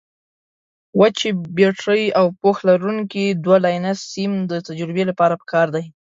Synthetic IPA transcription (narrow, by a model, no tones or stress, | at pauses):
wat͡ʃebeʈɾəjawpoxlaɾuŋkid̪walɑjnassimd̪ət̪ad͡ʒɾɪbelapɑɾapə̥kɑɾd̪aj